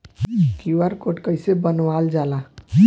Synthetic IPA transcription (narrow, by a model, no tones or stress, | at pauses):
kiʋaɾkoʈkəjsebənʋald͡ʒala